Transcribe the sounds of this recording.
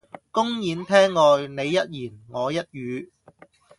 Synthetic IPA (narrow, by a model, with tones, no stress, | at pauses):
kʊ˥ŋjiː˨˧nt̪ʰɛː˥ŋːɔː˧jne˨˧jːɐ˥t̚jiː˨˩nŋɔː˨˧jɐ˥t̚jyː˨˧